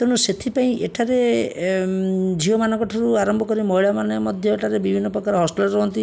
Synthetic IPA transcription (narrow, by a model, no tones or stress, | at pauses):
t̪eɽ̃uset̪ʰipaĩʔeʈʰaɾe | d͡ʒʱiomanɔ̃ŋkɔʈʰɔɾuaɾɔmbʱɔkɔɾimɔɦiɭamanmɔd̪ʱjɔeʈʰaɾebibʱinːɔpɾɔkaɾɦɔsʈilɔɾɔɦɔnt̪i